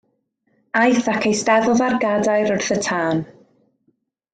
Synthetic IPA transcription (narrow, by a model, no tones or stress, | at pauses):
ajθakʰejstɛðʊlˠðarɡadajɾʊrθətʰaːn